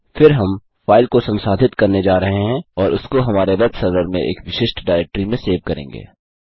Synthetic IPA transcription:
fɪɾɦɐm | faːɪlkosɐ̃msaːd̪ʱɪt̪kɐɾned͡ʒaːɾɐɦeɦɛ̃ɔːɾʊskoɦɐmaːɾeɾɐt̪sɐɾʋəɾmḛ̃ʔḛːkʋɪʃɪʃʈɖaːɪɾɛk̚ʈɾimẽseːʋkɐɾḛ̃ːŋ̆ɡḛː

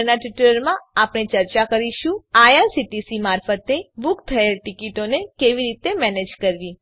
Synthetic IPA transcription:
naʈiʈuləɾmãapɽ̃et͡ʃəɾt͡ʃakəɾiʃũajaɾsiʈisimaɾfət̪ebukt̪ʰəelʈikiʈonekeʋiɾit̪emɛned͡ʒkəɾʋi

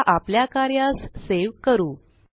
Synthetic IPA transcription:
ʔapljakaɾjãsseʋkəɾuː

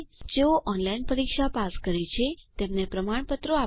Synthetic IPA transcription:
d͡ʒeoʔɔnlainpəɾikʃapaskəɾet͡ʃʰet̪emnepɾəmaɳ̃pət̪ɾoa

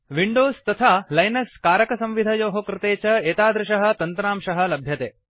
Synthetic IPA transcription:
ʋiɳɖoːst̪ɐt̪ʰaːlɐjnɐskaːɾɐkɐsɐ̃mʋid̪ʱɐjoːɦokɾɪt̪eːt͡ʃɐeːt̪aːd̪ɾɪʂɐɦɐ̆t̪ɐnt̪ɾaːmʃɐɦɐ̆lɐbʱjɐt̪eː

